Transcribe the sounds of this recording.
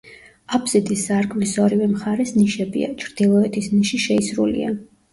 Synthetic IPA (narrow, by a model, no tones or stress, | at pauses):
abʰz̥id̪isːaɾɡvisɔɾivɛmχaɾɛsniʃɛbḭa̰t͡ʃʰɾd̪ilˠɔɛt̪ʰisniʃiʃɛisɾulḭa̰